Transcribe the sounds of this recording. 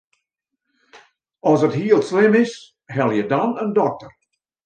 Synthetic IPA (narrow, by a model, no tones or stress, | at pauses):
ɔsəthiəlˠslɪmɪs | hɛlˠjədɔnəndɔk̚tər